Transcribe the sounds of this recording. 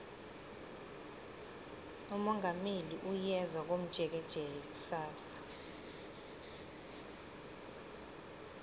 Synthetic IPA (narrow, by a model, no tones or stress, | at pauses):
umɔŋameliʔujɛzwak̬om̩d̥ʒ̥ʱɛk̬ɛd̥ʒ̥ʱɛjɛk̬u̥saːsḁ